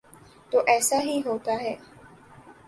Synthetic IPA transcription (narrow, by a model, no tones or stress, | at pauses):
t̪oːʔɛːsaɦiɦoːt̪aɦɛː